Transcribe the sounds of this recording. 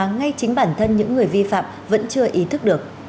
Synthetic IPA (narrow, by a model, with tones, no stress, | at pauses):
ŋa˧jt͡ɕï˨˦ŋ̟ɓaː˧˩nt̪ʰə˧nɲɨ̰˧˥ŋːɨ˨˩əjvi˧fa̰ː˧˨m | və̰˧˥nt͡ɕɨ˧əʔi˨˦t̪ʰɨ˦˥k̚ɗɨ˨˩ək̚